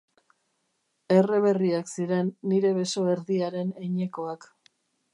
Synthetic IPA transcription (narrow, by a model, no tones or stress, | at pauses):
e̞re̞βe̞riaksiɾe̞nːiɾe̞βe̞so̞e̞ɾðiaɾe̞neɲe̞koak